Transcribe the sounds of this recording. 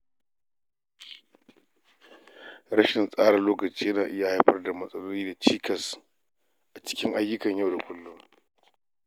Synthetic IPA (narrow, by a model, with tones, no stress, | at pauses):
ɽɐ˦ʃɪ˨nsʼaː˦ɽɐ˨loː˦kɐ˨t͡ʃiː˦jɐ˦naː˨ʔɪ˦ja˨ha˦jɸɐ˦rda˨mɐ˦sʼɐ˦loː˦niː˦da˨t͡ʃiː˦kʰɐ˨s | ʔa˨t͡ʃɪ̥˦kʲɪ˦ŋʔa˦jːʊ˦kɐ˨ɲjɐ˦wda˨kʷʊ˦lːʊ˦ŋ